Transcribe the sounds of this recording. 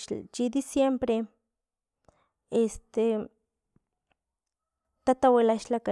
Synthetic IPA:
t͡ʃid̪isjempɾe | est̪e | t̪at̪awelaʃlaka

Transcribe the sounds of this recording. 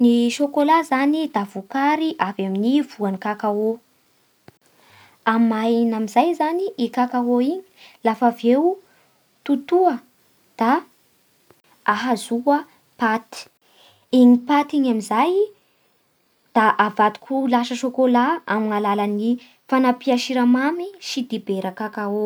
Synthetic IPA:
niʃokolazanid̪̥avukaɾiʔavaminiv̥uanikakao | amajnamizajzaniʔikakawoiɲi̥lafavew | t̪ut̪uə | d̪̥a | ɦazuə | pat̪i̥ | iɲipat̪iɲamizaj | d̪̥aʔavat̪u̥kʲʰulaʃəʃokolaamiŋalalani | fanapiaʃiɾamamiʃid̪ibeɾəkakao

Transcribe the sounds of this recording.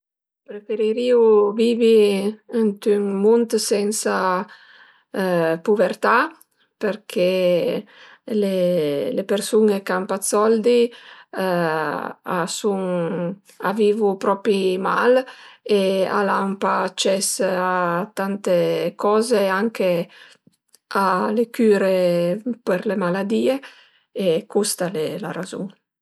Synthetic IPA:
pɾefeɾiɾiuviːviənt̪yŋmunt̪sɛnsa | puvɛɾt̪a | peɾkʰe | lelepeɾsunekampat̪sɔld̪i | a̰suŋ | aviːvupɾɔpima̰lea̰lampaːt͡ʃɛsat̪ant̪ekɔːzeaŋke | alekyːɾepeɾlemalad̪iːe | ekust̪alelaɾazṵŋ

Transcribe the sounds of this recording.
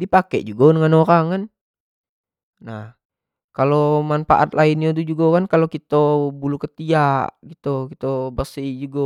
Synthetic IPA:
dipakɛ̰ʔd͡ʒuɡadəŋanoɾaŋan | nah | kalomanfa̰ʔa̰t̪lainiod̪ud͡ʒuɡakankalokit̪obulukət̪iaʔɡit̪ukit̪obərsid͡ʒuɡa

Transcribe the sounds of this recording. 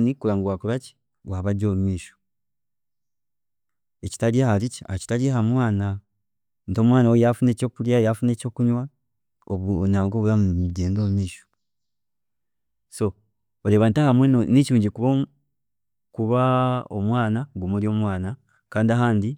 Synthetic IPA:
nikulaːŋɡuwakuβaci̥ | waβaɟo̞ːmumiːʃo̥ | eci̥taliahalicia̰ci̥taliahamwaːna | nto̞ːmwaːnawejafune̞co̞ːkuljajafune̞ːco̞ːkuɲwa | oβnaŋɡoːβulamuuɟeːndo̞ːmumiːʃo̥ | so̞ | ole̞ːβantahamwenniciuːɲɟikuβo | kuβao̰mwaːnaɡumuɾio̞ːmwaːna | kaːndiaɦaːndi

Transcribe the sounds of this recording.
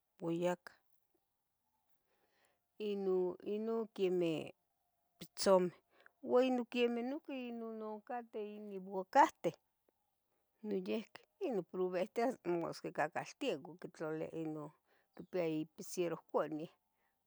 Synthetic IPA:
wajakḁ | inoinokeme | pit͡some | wainokemehnokeinonokat̪einibakaht̪e | nojehke̥inopɾuβeht̪eamo̰skekakalt̪iakokit͡ɬolḛa̰ʔino | kipiaipisjeɾohkʷaʔnieh

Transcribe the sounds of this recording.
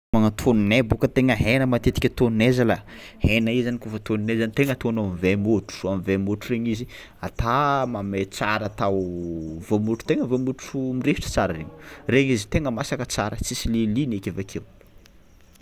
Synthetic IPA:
maŋat̪ʰoninebukət̪eŋəɦenəmat̪et̪i̥kʲət̪onnezaləhenaizanikufət̪onnezanit̪eŋət̪onomivemoʈ͡ʂu̥amvemoʈ͡ʂureɲizi | at̪amamet͡saɾat̪awvomuʈ͡ʂu̥t̪eŋəvomuumirefiʈ͡ʂə̥t͡saɾəreɲu̥reɲizit̪eŋəmasakət͡saɾət͡sisilelinekʲevakʰew

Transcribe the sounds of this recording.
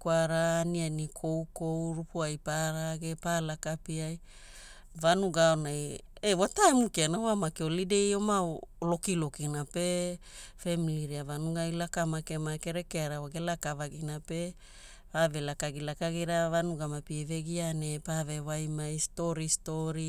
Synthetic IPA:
kwaɾaːnianikʰowkowɾupuajpaɾaɡepalakapiaj | vanuɡaonaj | ewataemukeanawamakeolidejomaolo̞kilokinape | femiliɾiavanuɡajlakamakemakeɾekeaɾawaɡelakavaɡinape̞ | vavelakaɡilakaɡiɾavanuɡamapieveɡianepavewajmaisto̞ɾistoɾi

